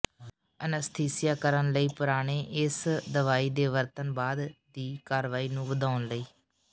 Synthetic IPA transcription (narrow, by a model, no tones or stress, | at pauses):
ənəst̪ʰeːsɪjaːkəɾənləiːpəɾaːɽ̃eːʔɪsd̪əʋaːiːd̪eːʋəɾt̪ənbaːd̪d̪iːkaːɾʋaːiːnũːʋəd̪aːʊnləiː